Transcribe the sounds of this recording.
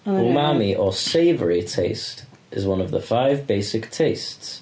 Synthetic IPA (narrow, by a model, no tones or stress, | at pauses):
omaːmiʔəseɪvəɹitʰeɪst | ʔɪzwʌ̃nəvðəfaɪvbeɪsɪktʰeɪsts